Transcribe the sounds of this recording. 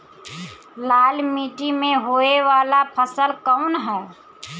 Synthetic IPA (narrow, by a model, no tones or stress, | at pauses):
laːlmiːʈimẽɦoːeʋaːlapʰəsəlkəʊnɦɛː